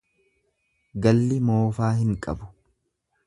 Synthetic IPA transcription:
ɡɐlːɪmoːfaːɦɪŋkʼɐ̰bʊ̥

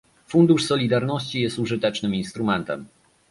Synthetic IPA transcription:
fund̪uʂsɔlʲid̪aɾnɔɕt͡ɕijɛst̪uʐɘt̪ɛt͡ʂnɘminst̪ɾumɛnt̪ɛ̰m

